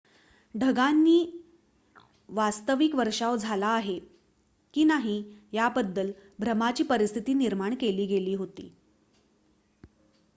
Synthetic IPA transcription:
ɖʱəɡanːiː | ʋast̪əʋikʋəɾʂaʋd͡zʱalaːɦe | kiːnaɦiːjabəd̪ːəlbʱɾəmat͡ɕiːpəɾist̪ʰit̪iːniɾmaɳkeliːɡeliːɦot̪ḭː

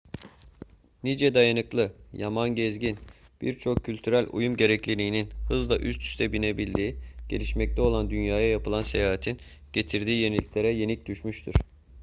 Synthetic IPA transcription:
nid͡ʒɛd̪ajanɯklˠɯjamanɟɛzɟin | b̥ḭɾt͡ʃʰo̞kʰːylʲt̪ʰyɾælʲṵjumɟe̞ɾɛclʲilʲiːninhɯzlˠaʔyst̪ʰy̥st̪ʰɛbinebilʲd̪iːɟ̥e̞̰lʲiʃmɛc̚t̪ʰɛo̞lˠand̪ynjaːjajapɯlˠansejaːɦat̪ʰin | ɟ̥e̞t̪ʰiɾd̪iːje̞nilʲiclʲe̞ɾɛje̞nic̚d̪yʃmyʃt̪ʰuɾ̥

